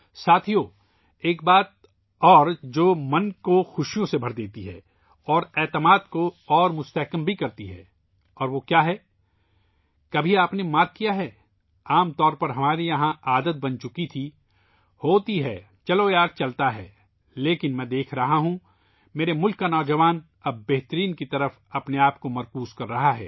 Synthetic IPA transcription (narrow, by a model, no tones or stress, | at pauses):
saːt̪ʰijõ | eːk̚baːt̪̚ | ɔːɾd͡ʒoːmɐnkoxʊʃijõsebʱɐɾd̪eːt̪iɦɛ̰ː | ɔːɾɛːt̪əmaːd̪koɔːɾmʊst̪ɛɦkəmbʱikɐɾt̪iɦɛ̰ː | ɔːɾʋoːkjaːɦɛː | kɐbʱiaːpnemaːt̪̚ʰkijaɦɛː | aːmt̪ɔːɾpɐɾɦɐmaːɾijɐɦãʔaːd̪ət̪̚bɐnt͡ʃʊkit̪ʰi | hoːt̪iɦɛː | t͡ʃɐlojaːɡ̚t͡ʃɐlt̪aɦɛː | leːkɪnmɛ̃ːd̪eːkʰɾɐɦaɦũ | meːɾemʊlkːanɔːd͡ʒɐʋaːn | ɐbːeɦt̪əɾiːnkit̪ɐɾəf | ɐpneaːpkomɐɾkuːzkɐɾːɐɦaɦɛ̰ː